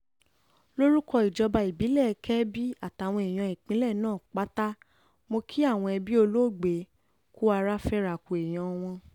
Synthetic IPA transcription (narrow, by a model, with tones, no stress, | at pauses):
lo˦ɾu˦kɔ˧i˨d͡ʒɔ˧ba˧i˨bi˨˦lɛ˦˨˧kɛ˦bi˦a˦˨ta˨w̃ɔ̃˧e˨j̃ã˧i˨k͡pĩ˨˦lɛ˦˨nãː˦˨k͡pa˦ta˦ | mo˧kʰi˦a˦˨w̃ɔ̃˧ɛ˧bi˦o˧lo˦˨ɡ͡be˨˦ | ku˦a˧ɾa˦fɛ˦ɾa˨ku˨e˨j̃ɔ̃˨˧w̃ɔ̃˧